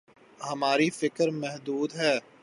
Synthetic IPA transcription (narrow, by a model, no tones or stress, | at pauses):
hɐmaːɾifɪkəɾmɛɦd̪uːd̪ɦɛː